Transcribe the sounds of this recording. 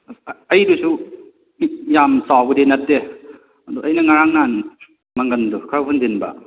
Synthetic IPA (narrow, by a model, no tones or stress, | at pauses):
ɐjdusu | jamsawɡɯdenɐt̚ːe | ɐduʔɐjnɐŋaɾaŋnan | maŋɡɐndukʰawpʰundinbɐ̰